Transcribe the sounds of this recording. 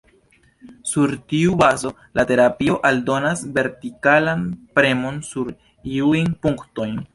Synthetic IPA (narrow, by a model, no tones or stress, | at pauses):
suɾtiubazo̞ | late̞ɾapio̞ʔaldo̞nasve̞ɾtikalanpɾe̞mo̞nsuɾ | iujnpuŋkto̞jn